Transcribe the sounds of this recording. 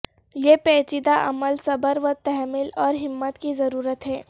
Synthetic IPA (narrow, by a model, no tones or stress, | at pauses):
jeːpɛːt͡ʃɪd̪aʔɐməlsɐbəɾʋət̪ɛɦɛmɪlɔːɾɦɪmːət̪kizɐɾuːɾət̪ɦɛː